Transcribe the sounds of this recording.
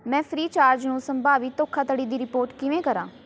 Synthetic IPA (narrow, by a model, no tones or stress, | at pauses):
mɛ̃ːpʰɾiːt͡ʃaːɾd͡ʒnũːsəmbaːʋɪt̪oːkʰːaːt̪əɽiːd̪iːɾɪpoːɾʈkɪʋẽːkəɾã̰ː